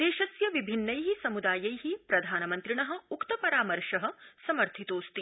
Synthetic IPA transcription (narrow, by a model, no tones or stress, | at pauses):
d̪eːʃɐsjɐʋibʱinːɐjɦisɐmud̪aːjɐjɦipɾɐd̪ʱaːnɐmɐnt̪ɾiɳɐɦɐ̆ukt̪ɐpɐɾaːmɐɾʃɐɦɐ̆sɐmɐɾt̪ʰit̪oːst̪i